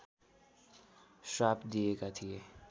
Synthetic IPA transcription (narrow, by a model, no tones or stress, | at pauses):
ʃaːpd̪ijekat̪ʰie